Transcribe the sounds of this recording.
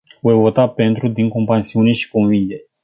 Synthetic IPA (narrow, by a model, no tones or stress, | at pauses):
vojvo̞t̪ape̞nt̪ɾud̪iŋko̞mpɾansiune̞ʃi̥konvind̪e